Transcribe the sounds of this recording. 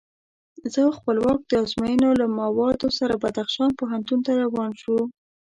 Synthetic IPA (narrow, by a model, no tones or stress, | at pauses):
zəxpəlwɑk̚d̪̥əɑzmɑjənolamawɑd̪osaɾabad̪axʃɑnpoɦant̪unt̪aɾawɑnʃu